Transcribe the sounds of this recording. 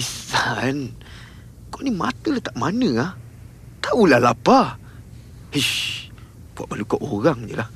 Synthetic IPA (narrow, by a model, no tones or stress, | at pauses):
isan | konimã̰t̪əlat̪aʔmanə̃ah | t̪aulalapa | hə | b̥ua̰ʔbalukaʔoɣaŋd͡ʒə̰lah